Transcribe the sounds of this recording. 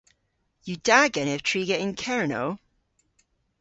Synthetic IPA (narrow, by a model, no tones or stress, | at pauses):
jədaɡɛnɪv̥tʰɹ̥iːɡəɪ̃nkʰɛɹno̰ʊ